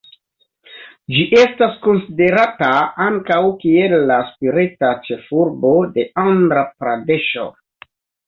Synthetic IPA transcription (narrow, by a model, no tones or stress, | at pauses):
d͡ʒiʔe̞stasko̞nside̞ɾataaŋkawkielːaspiɾetat͡ʃe̞fuɾbode̞andɾapɾade̞ʃo̰